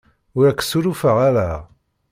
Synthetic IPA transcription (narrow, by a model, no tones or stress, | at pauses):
ʊɾækːə̥suɾufəʁaɾæ